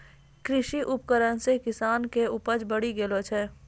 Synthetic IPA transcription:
kɾɪʃiʔʊp̚kəɾənsekɪsaːnkeʊpəd͡ʒbəɽiɡeːlot͡ʃʰɛː

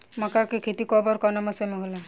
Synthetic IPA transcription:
mɔkakekʰet̪ikɔbɔɾkɔnɔmɔsemeɦola

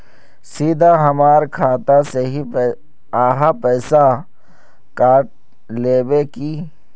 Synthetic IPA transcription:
siːd̪ʱaɦɐmaːɾkʰaːt̪aseɦi | aːɦapɛːsa | kaːʈ̚ | leːbeki

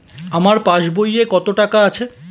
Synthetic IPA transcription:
amaɾpãʃbojekɔt̪oʈakaat͡ɕʰe

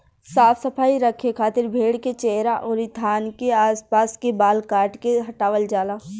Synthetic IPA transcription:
saːpʰsəpʰaːiɾəkʰekʰaːt̪ɪɾbʱeːɽket͡ʃeɦɾaʔɔːɾɪt̪ʰaːnkeaːspaːskebaːlkaːɾʈkeɦɐʈaːʋəld͡ʒaːlaː

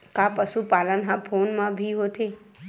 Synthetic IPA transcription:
kapəʃupalənɦãpʰonmãbʱiɦot̪ʰe

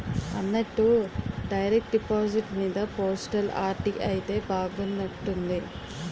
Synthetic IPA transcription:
ɐnːɐʈːuɖɐjɾek̚ʈ̚ɖipaːd͡ʒiʈmiːd̪ɐpoːsʈɐla̰ːɾʈiʔɐjit̪e̞ːbaːɡunːɐʈːund̪i

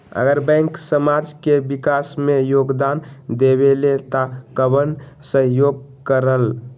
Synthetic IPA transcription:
ə̰ɡəɾbɛ̃ŋksəmad͡ʒkebikasmejoɡd̪and̪ebelet̪akəbən | səɦjoɡ̚kəɾəl

